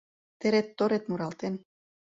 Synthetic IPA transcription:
t̪eɾet̪ːoɾet̪muɾɑlt̪en

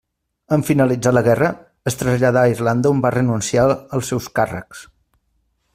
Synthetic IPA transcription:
əɱfinəlid͡zaləɣɛrə | əst̪ɾəzʎaðairland̪əumbarənunsiaəlˠsːɛwskarə̰ks

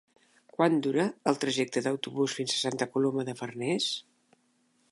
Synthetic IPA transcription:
kwand̪uɾəːlˠt̪ɾəʒɛk̚t̪əðəwt̪uβusfinzəsant̪əkuloməðəfərnɛs

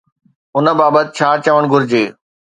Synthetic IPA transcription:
ʊnə̆baːbət̪ɪt͡ɕʰaːt͡ɕəʋəɽ̃ɡʱʊɾɪd͡ʑeː

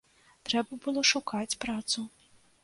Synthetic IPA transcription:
t̪ɾɛbɐbɨlˠɔʂukat͡sʲpɾat̪su

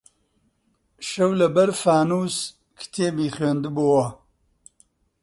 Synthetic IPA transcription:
ʃɐwlɐbɐɾfaːnuːs | kʰɨ̥t̪ʰeːbiːχweːnd̪ɨbowɐ

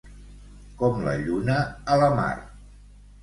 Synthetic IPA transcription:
kɔmlə̰ʎunəːləma̰r

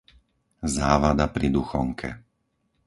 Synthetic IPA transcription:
zaːʋad̪apɾid̪uxɔŋkʰɛ̰

